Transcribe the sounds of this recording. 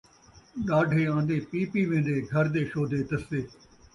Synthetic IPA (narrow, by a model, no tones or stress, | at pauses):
ɗaːɖʱeːãːnd̪ẽːpiːpiːʋẽːnd̪eːɡʱɐɾd̪eːʃoːd̪eːt̪ɐsd̪eː